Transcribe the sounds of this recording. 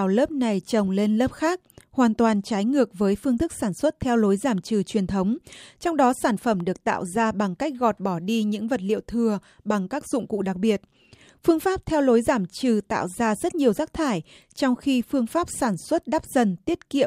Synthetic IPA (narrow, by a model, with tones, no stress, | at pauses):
a˨˩wləː˦˥p̚na˨˩jt͡ɕə˨˩wŋ͡mle˧nləː˦˥p̚xaː˦˥k̚hwaː˨˩nt̪waː˨˩nt͡ɕaː˨˦jŋɨ˨˩ək̚vəː˨˦jfɨ˧əŋt̪ʰɨ˦˥k̚saː˧˩nswə˦˥t̚t̪ʰɛ˧wlo˨˦jzaː˧˩mt͡ɕɨ˨˩t͡ɕwi˨˩ənt̪ʰə˨˦wŋ͡mt͡ɕɔ˧wŋ͡mɗɔ˨˦saː˧˩nfə˧˩mɗɨ˨˩ək̚t̪a̰ː˧˨wzaː˧ɓa˨˩ŋka˦˥jk̚ɣɔ˨˩t̚ɓɔ˧˩ɗi˧ɲɨ̰˧˥ŋvə˨˩t̚lḭ˧˨əwt̪ʰɨ˨˩ə | ɓa˨˩ŋkaː˦˥k̚zʊ̰˧˨ŋ͡mkṵ˧˨ɗa˨˩k̚ɓi˨˩ət̚ | fɨ˧əŋfaː˦˥p̚t̪ʰɛ˧wlo˨˦jzaː˧˩mt͡ɕɨ˨˩t̪a̰ː˧˨wzaː˧zə˦˥t̚ɲi˨˩əwzaː˦˥k̚t̪ʰaː˧˩j | t͡ɕɔ˧wŋ͡mxi˧fɨ˧əŋfaː˦˥p̚saː˧˩nswə˦˥t̚ɗaː˦˥p̚z̥ə˨˩nt̪i˦˥ət̚kḭ˧˨əm